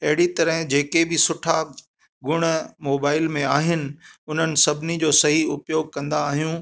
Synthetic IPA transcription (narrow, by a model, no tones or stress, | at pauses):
ɐɦɪɽit̪ɐɾəɦd͡ʑeːkebɪsʊʈʰa | ɡʊɽ̃moːbaːɪlmẽaːɦɪnɪ̆ʊn̤ənɪ̆sɐbʱɪnid͡ʑoːsɐɦiʊpjoːɡ̚kɐ̃nd̪aːɦijũː